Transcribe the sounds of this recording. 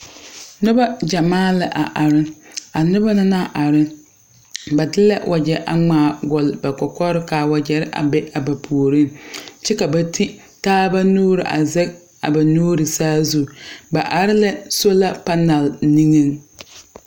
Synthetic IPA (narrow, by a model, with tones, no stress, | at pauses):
nʊ˦ba˦d͡ʒa˨maː˦lɪ˦ʔa˨ʔa˨ɾɪ˦a˨nʊ˦ba˦nɪ˦na˦˨ʔa˨ɾɪ˦ | ba˨dɪ˦lɛ̰˦wʔa˨d͡ʒɛ˨ʔa̰˨ŋ͡maː˨ɡɔ˨lba˨kɔ˨kɔ˦ɾɪ˦kaː˨wa˨d͡ʒɛ˨ɾɪ˦ʔa̰˨bɛ˦ʔa˨ba˨pʰu˨o˨ɾi˦nt͡ʃɛ˦ka˨ba˨tʰi˦ | taː˦ba˦nuː˦ɾɪ˨ʔa̰˨zɛ˦k̚ | a̰˨ba˨nuː˦ɾɪ˨saː˦zu˦˨ba˨ʔa˨ɾɪ˦lɛ˦so˦la˦pa˦na˨lni˦ŋi˦n